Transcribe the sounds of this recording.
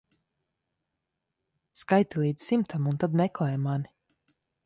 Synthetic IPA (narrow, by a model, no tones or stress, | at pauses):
skajt̪ilˠiːd̪z̥ʲsimt̪ʰamunt̪ad̪mɛklˠɛjmani